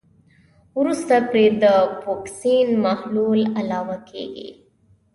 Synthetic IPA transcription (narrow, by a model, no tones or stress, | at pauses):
uɾust̪ɐpɾed̪əpoːksiːnmɐhluːlɐlaːʋakḛːɡḛ